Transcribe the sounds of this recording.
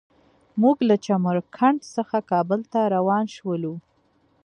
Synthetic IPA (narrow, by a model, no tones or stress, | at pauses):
muɡlat͡ʃaməɾkʰaɳɖsəxakɑbəlt̪aɾawɑnʃwəlu